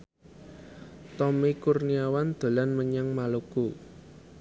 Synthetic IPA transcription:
t̪ɔmekurniawand̪̥o̤lanməɲaŋmaloku

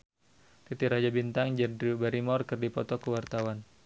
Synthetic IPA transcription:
t̪it̪iɾad͡ʒabint̪aŋd͡ʒbaɾimɔrkɨrdipɔt̪ɔkəwart̪awan

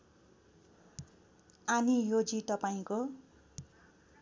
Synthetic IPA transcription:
anijod͡zit̪ʌpaĩko

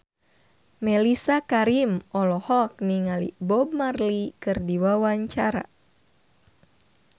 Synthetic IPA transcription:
mɛlisakaɾimʔɔlɔhɔk̚niŋalḭbɔb̚marlikɨrdiwawaɲt͡ʃaɾa̰

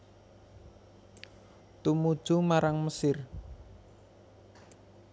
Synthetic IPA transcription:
t̪umud̥ʒ̥umaɾaŋməsɪr

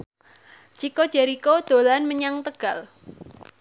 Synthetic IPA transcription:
t͡ʃiko̥d͡ʒ̥ɛɾikod̪̥o̤lanməɲaŋt̪əɡ̥al

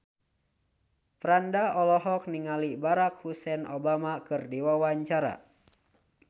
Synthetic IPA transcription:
pɾandaɔlɔɦɔk̚niŋalibaɾak̚husɛnʔobamakɨrdiwawaɲt͡ʃaɾa̰

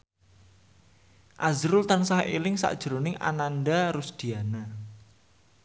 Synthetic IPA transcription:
ʔazɾʊlt̪ansaɦʔelɪŋsa̰ʔd̥ʒ̥əɾonɪŋʔa̰nanɖaɾʊsd̪̥i̤ana

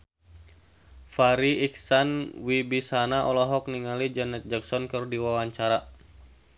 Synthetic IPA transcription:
faɾiiksanwibisanaʔɔlɔɦɔk̚niŋalid͡ʒanɛt̪̚d͡ʒaksɔnkɨrdiwawaɲt͡ʃaɾa

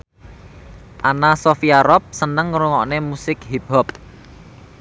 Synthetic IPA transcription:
ʔanasofiaɾɔp̚sənəŋːɾuŋɔʔnemusɪkɦibɔp̚

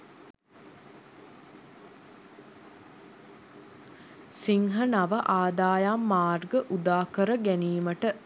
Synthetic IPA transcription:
siŋɦənaʋəʔaːd̪aːjaːmːaːrɡəʔud̪aːkəɾəɡæniːməʈə

